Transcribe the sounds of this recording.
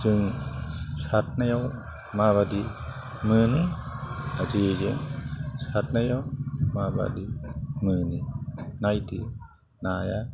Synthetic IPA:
zɯŋ | sat̚najaw | maβadi | mɯni | aziezeŋsat̚najawmaba̰dimɯninajti | naja

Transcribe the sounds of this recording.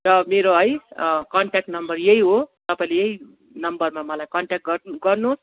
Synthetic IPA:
rʌmeɾoɦʌjkʌɳʈak̚ʈnʌmbʌrjeɦiɦot̪ʌpaĩlejeɦi | nʌmbʌrmamʌlajkʌɳʈak̚ʈ̚ɡʌrɡʌrnus

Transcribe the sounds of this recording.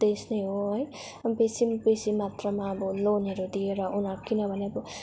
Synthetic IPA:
d̪esnʌjɦoɦʌj | besimbesimːat̪rʌmaːbʌloneɾod̪ieɾʌunaɾkinʌbʱʌneʌbʌ

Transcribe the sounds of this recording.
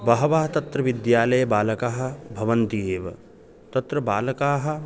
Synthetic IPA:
bɐɦɐʋaːɦɐt̪ɐt̪ɾɐʋid̪jaːlɐjɐbaːlɐkaːɦɐ̆bʱɐʋɐnt̪ieːʋɐ̰ | t̪ɐt̪ɾɐbaːlɐkaːɦɐ̆

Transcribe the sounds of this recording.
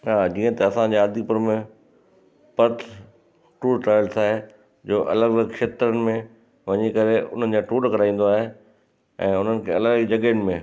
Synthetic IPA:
ɦaːd͡ʑiːə̃t̪ɐɐsãd͡ʑeaːd̪ʱipʊɾmẽ | pɐɾt̪ʰ | ʈuːɽʈaːɪlsaːɦe | d͡ʑoːʔɐ̰ləɡləkʃeːt̪ɾənɪ̆mẽ | ʋɐɲikɐɾeʊ̰n̤ənɪ̆d͡ʑaʈuːɽkɐɾaːĩːn̆d̪oaːɦe | ɛ̃ːʊn̤ənɪ̆kʰeːɐləɡd͡ʑɐɡəɪnɪ̆mẽ

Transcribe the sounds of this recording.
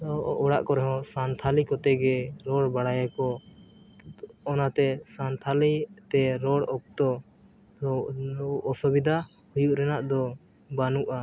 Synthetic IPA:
ɔɽa̰ʔkɔɾɛɦɔ̃sant̪ʰalikɔt̪ɛɡɛɾɔɽbaɽajakɔ | ɔnat̪ɛsant̪ʰalit̪ɛɾɔɽɔk̚t̪ɔ | ʔːsɔbid̪ʱa | hujuʔɾɛnaʔd̪ɔ | banuʔa

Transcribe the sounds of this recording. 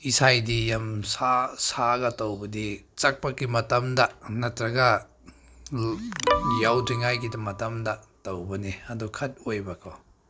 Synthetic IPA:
isajdijamsasaɡɐtɐwbɐdit͡ʃɐk̚pɐkimɐtɐmdɐnɐtɾɐɡɐ | jawdiŋajɡidɐmɐtɐmdɐtɐwbɐniɐdukʰɐt̚ojbɐkʰo

